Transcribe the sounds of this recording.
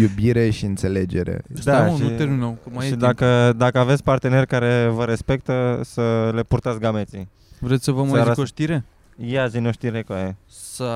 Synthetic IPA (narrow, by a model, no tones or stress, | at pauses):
jubiɾe̞ʃiɨnt̪se̞le̞d͡ʒeɾḛd̪aueminowkəmaʃid̪akəd̪akəave̞t̪sʲpart̪e̞ne̞rʲkaɾe̞vəɾe̞spe̞k̚t̪əsəle̞purt̪at̪ɡame̞t̪si | vɾet̪sʲsəvəmakoʃt̪iɾe | jeazinoʃt̪iɾekoje | sə